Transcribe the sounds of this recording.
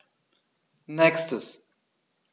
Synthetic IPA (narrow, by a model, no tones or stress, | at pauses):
nɛkstəs